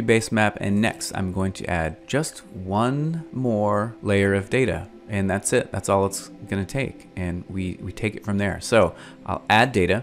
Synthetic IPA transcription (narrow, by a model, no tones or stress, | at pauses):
ibeɪsmæpɨ̰̃nːɛ̰kstã̰ɪ̃mɡoʊɪ̃ŋtʰɨ̰ʔæ̰d̚d͡ʒʌst̚wʌ̃nmɔɹleɪə˞ʌvdeɪɾɨ̰ | ɨ̃nðætsɪt̪̚ðætsɔlˠətsɡ̥ʌnɨtʰeɪk | ɨ̃nwiwitʰeɪkɨtfɹʌ̃mðə̰˞soʊ | ʔaɪlˠædeɪɾɨ